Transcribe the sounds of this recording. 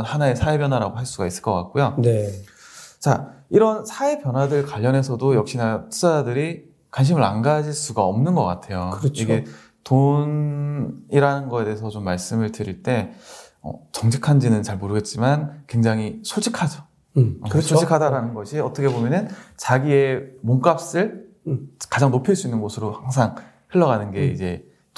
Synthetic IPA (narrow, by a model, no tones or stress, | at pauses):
nhanaesʰaebjʌnɦwaɾaɡoɦaɭs͈uɡais͈ɯ̥ɭk͈ʌk͈a̰k̚k͈ojone | t͡ɕaiɾʌnsʰaepjʌnɦwadɯɭkwaʎːʌne̞sʰʌdojʌk̚ɕ͈inatʰu̥saadɯɾi | kwanɕ̬ʰimɯɾa̰ŋɡad͡ʑiɭs͈uɡaʌmnɯnɡʌk͈a̰tʰe̞jokɯɾʌt͡ɕiɡe̞ | ton | iɾanɯnɡʌe̞te̞ːesʰʌt͡ɕomːaɭs͈ɯmɯɭdɯɾiɭt͈e̞ | ʌ̰t͡ɕʌŋd͡ʑʰikʰand͡ʑinɯnt͡ɕaɭmoɾɯɡe̞t̚t͡ɕ͈imankwe̞ŋd͡ʑaŋɦisʰod͡ʑʰikʰad͡ʑo | ʌɾʌsʰoikʰadaɾanɯnɡʌɕʰiʌt͈ʰʌkʰe̞bomjʌnɯnt͡ɕaɡie̞moŋk͈ap̚s͈ɯɭ | kad͡ʑaŋnopʰiɭs͈uinːɯnɡosʰɯɾohaŋsʰaŋ | heɭːʌɣanɯnɡe̞ḭd͡ʑe̞